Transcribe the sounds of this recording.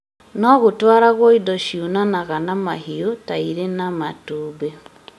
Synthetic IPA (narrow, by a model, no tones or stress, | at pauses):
nɔɣotwaɾaɣwoidɔʃiunanaɣanamaɦiotaiɾenamatuːbe